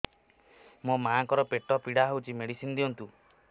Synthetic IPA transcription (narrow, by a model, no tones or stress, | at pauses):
momaːŋkɔɾɔpeʈɔpiɽaɦewt͡ʃʰimeɽisinɔd̪iɔnt̪u